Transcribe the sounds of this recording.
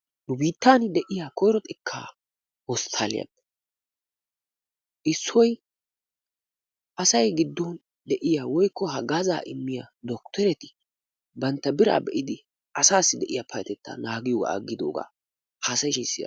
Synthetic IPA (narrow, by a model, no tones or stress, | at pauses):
nʊbiːt̪ːaːnd̪ɛʔɪjakɔjɾɔt̪ʼɪkʰːa̰ː | wɔst̪ʰaːlɪ̰jɐ̰b | ʔɪsːɔj | ʔɐsɐjɡɪd̪ːɔn | d̪ɛʔɪjaːwɔjkːɔɦɐɡɐza̰ːʔɪmːɪjad̪ɔkt̪ʰɛɾɛt̪ɪ | bɐnt̪ːɐbɪɾa̰ːbɛʔɪd̪ɪ | ʔɐsaːsːɪd̪ɛʔɪjapʰɐjt̪ɛt̪ːa̰naːɡɪjɔːɡa̰ɐ̰ɡːɪd̪o̰ːɡa̰ː | haːsɐjʃiːsːɪja̰